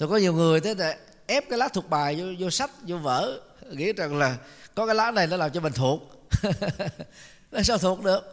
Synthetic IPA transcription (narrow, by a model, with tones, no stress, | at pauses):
t̪ʰo˨˩kɔ˨˦ɲi˨˩əwŋɨ˨˩əjt̪ʰe˨˦ɗḛ˧˩ | ʔɛ˦˥p̚kaː˨˦jlaː˦˥t̪ʰu˨˩ək̚ɓaː˨˩jo˧zo˧sa˦˥t̚zo˧və̰ː˧˥˨ | ŋḭ˧˥t͡ɕə˨˩ŋlaː˨˩kɔ˨˦kaː˨˦jlaː˧˥na˨˩jnɔ˨˦laː˨˩mt͡ɕɔ˧mï˨˩ŋ̟t̪ʰu˨˩ək̚ | na˨˦s̬a˧wt̪ʰu˨˩ək̚ɗɨ̰˧˨ək̚